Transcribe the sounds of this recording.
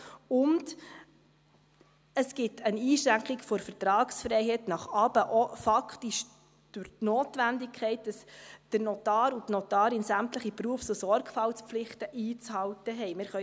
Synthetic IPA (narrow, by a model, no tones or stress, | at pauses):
ʊnd | əsɡ̥ɪtʰəniːʃɾæŋkχikfɔɾfəɾtɾɑːksfɾɛɪɦɛtnɑχɑːb̥əʔɔfɑkχtiʃ | d̥ʊɾtnoːtʋændikʰɛɪt̚d̥ɑsd̥əɾnɔtɑːɾutnɔtɑːɾɪnsæmtləχipɾuəfsosɔɾɡfɑlt͡sp͡flɪχtəʔiːt͡shɑwtəɦɛɪmɪɾχœ